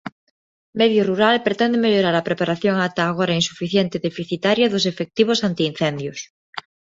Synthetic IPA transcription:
meðjoruɾalpɾet̪end̪emeʎoɾaɾapɾepaɾaθjoŋat̪aːɣ̞oɾainsufiθjent̪eðefiθit̪aɾjaðos̬efek̚t̪iβ̞osant̪iːn̟θend̪jos

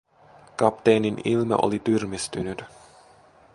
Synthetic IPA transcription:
kɑpt̪ejninilmɑ̰ʔo̰lit̪yrmist̪ynyt̪

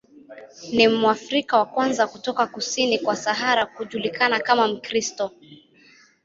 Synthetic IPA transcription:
nimuafɾikawakwanzakutɔkakusinikwasaɦaɾakuʄulikanakamam̩kɾistɔ

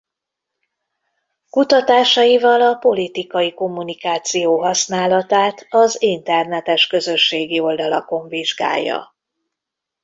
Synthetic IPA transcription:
kut̪ɒt̪aːʃɒjivɒlɒpo̞lit̪ikɒjiko̞mːunikaːt̪sijoːɦɒsnaːlɒt̪aːt̪ɒzint̪ɛrnɛt̪ɛʃkø̞zø̞ʃːeːɡio̞ld̪ɒlɒko̞ɱviʒɡa̰ːjːɒ̰

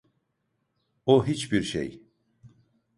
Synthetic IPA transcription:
oɦit͡ʃbiɾʃḛj

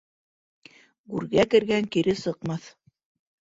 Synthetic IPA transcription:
ɡʉɾɡækɘ̆ɾɡæŋkiɾɘsɤ̆qmɑθ

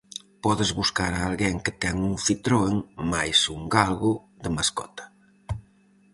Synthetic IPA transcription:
pɔðɪzβuskaɾaːlɣɛŋkɪt̪ɛŋuŋfit̪ɾoeŋmajsuŋɡalɣʊ | d̪emaskɔ̰t̪ḁ

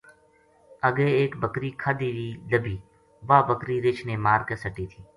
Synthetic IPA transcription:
əɡeːeːkbəkɾiːkʰad̪iːɾiːləbʱiː | ʋaːbəkɾiːɾɪt͡ʃʰneːmaːɾkesəʈiːt̪ʰiː

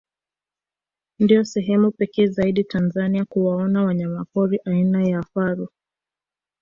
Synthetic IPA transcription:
ndijɔsɛɦɛmupɛkɛːzaiɗitanzaniakuwaɔnawaɲamakɔɾiʔainajaːfaɾu

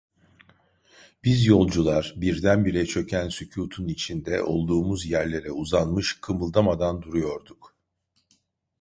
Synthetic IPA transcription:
b̥izjo̞lˠd͡ʒulˠaɾ̥biɾd̪ænbiɾɛt͡ʃʰø̞cʰænsycʰuːt̪ʰunit͡ʃʰind̪ɛʔo̞lˠd̪uːmuzjæɾlʲe̞ɾɛuzanmɯʃkʰɯmɯlˠd̪amad̪and̪uɾujo̞ɾd̪uk

